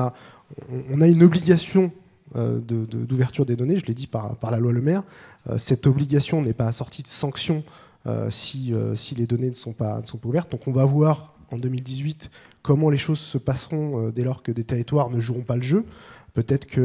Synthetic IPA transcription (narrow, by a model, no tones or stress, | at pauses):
ã̰ː | naynɔbliɡʲasjɔ̰̃ | d̪əd̪əd̪uvɛʁt̪yʁd̪ed̪ɔneʒəled̪ipaʁ̰paʁlalwaləmɛʁø̰sɛt̪ɔbliɡʲasjɔ̃nɛpaːsɔʁt̪ʰid̪əsɑ̃ksjɔ̃ | ø̰siø̰siled̪ɔnenəsɔ̃pa̰nəsɔ̃pauvɛʁt̪̚d̪ɔ̃kɔ̃vavwaʁ | ɑ̃d̪ømild̪izɥit̪ | kɔmɑ̃leʃozsəpasʁɔ̃ød̪elɔʁkəd̪et̪eʁit̪waʁnəʒuʁɔ̃paləʒøpøt̪ɛt̪χə̥kʰə